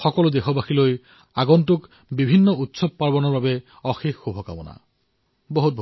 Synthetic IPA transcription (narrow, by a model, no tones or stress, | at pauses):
xɔkɔlʊdexɔbaxiloj | aɡɔntʊk | bibʱinːɔutsɔb̚paɹbɔnɔɹbabɛ | ɔxixːubʱɔka̰mɔ̰na̰ | boɦut̚bʱ